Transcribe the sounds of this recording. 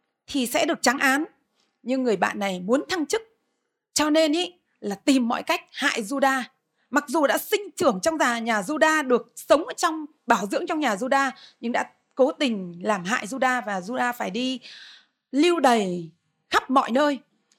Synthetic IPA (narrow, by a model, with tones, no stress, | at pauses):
t̪ʰi˨˩sɛ̰˧˥ɗɨ˨˩ək̚t͡ɕa˨˦ŋʔaː˨˦n | ɲɨ˧ŋːɨ˨˩əjɓa̰ː˧˨nːa˨˩jmu˨˦nt̪ʰa˧ŋt͡ɕɨ˦˥k̚ | t͡ɕɔ˧ne˧nʔə˧˦ | laː˨˩t̪i˨˩mːɔ̰˧˨jka˦˥jk̟̚ha̰ː˧˨jzu˧ɗaː˧ | ma˨˩k̚zu˨˩ɗa̰ː˧˥sï˧ŋ̟t͡ɕɨ˨˧˩əŋt͡ɕɔ˧wŋ͡mzaː˨˩ɲaː˨˩zu˧ɗaː˧ɗɨ˨˩ək̚sə˨˦wŋ͡mʔəː˧˩t͡ɕɔ˧wŋ͡m | ɓaː˧˩wzɨ̰˧˥əŋt͡ɕɔ˧wɲaː˨˩zu˧ɗaː˧ɲɨ˧ŋɗa̰ː˧˥ | ko˨˦t̪ï˨˩ŋ̟laː˨˩mɦa̰ː˧˨jzu˧ɗaː˧vaː˨˩zu˧ɗaː˧faː˧˩jɗi˧ | li˧wɗə˨˩j | xa˦˥p̚mɔ̰˧˨jnəː˧j